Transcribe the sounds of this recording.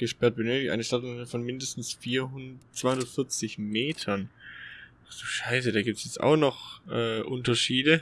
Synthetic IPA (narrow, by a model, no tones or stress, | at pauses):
ɡ̥əʃpɛɐt̚b̥ənøːtɪçtʔa̰ɪnəʃtatːfɔnmɪndəstn̩sfiːɐɦʊnt͡sv̥aɪhʊndɐtfɪɐt͡sɪçmeːtʰɐn | z̥oːʃaɪs̬ədaːɡiːp̚tsjɛt͡stʔa̰ʊxnɔχʔɛːʔʊntɐʃiːdə